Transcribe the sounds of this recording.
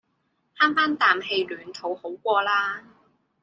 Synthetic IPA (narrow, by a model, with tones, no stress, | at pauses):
haː˥ŋfaː˥nt̪aː˨mɦe˧jlyː˨˩nt̪ʰo˨˥who˨˥wkʷɔː˧laː˥